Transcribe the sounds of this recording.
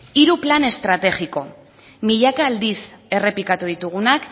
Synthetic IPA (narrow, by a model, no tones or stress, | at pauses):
iɾuplane̞st̪ɾat̪e̞ɣiko̞ | miʎakaːld̪ise̞re̞pikat̪uðit̪uɣ̞unak